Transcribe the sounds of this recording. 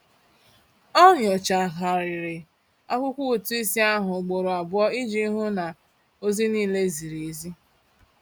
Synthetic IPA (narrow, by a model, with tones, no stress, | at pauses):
ɔ˦ɲɔ˨t͡ʃa˨ɦa˨ɾɪ˨ɾɪ˨ | a̰˦kʷʊ˦kʷu˦˨tu˦i˦si˦a˦ɦʊ˨ɡ͡bo˨ɾʊ˨a˨bʊ˦ɔ˦i˦d͡ʒi˦ɦʊ˦na˨ | o˦zi˦niː˦˨le˦zi˨ɾi˨i˨zi˦